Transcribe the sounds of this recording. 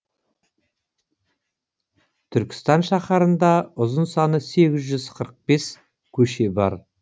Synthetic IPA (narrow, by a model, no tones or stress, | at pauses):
t̪ʰʏɾkʲɪ̥st̪ɑnʃɑχɑɾənd̪ɑʊzənsɑnəse̞ɡʲɪzʒʏzqʰəɾəq̚be̞s | kʲʰɵʃe̞bɑ̰ɾ